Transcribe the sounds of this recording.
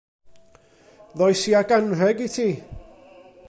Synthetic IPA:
ðɔjsiaɡanrɛɡitʰiː

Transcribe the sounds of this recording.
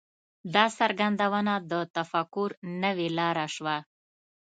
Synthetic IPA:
d̪ɑsaɾɡand̪awənad̪ət̪afakʊɾnəwelɑɾaʃwa

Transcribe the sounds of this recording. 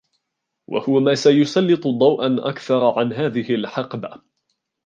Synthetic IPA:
wʔa̰hʊwamaːsajʊsɑlːɨt̪ˤʊd̪ˤɑwʔanʔa̰kθɑɾˤʕanɦaːðɪhɪlħɑqba

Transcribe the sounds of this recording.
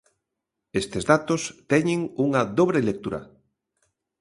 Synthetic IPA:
est̪ezðat̪ost̪ɛɲeŋuŋɐðoβɾelek̚t̪uɾɐ̰

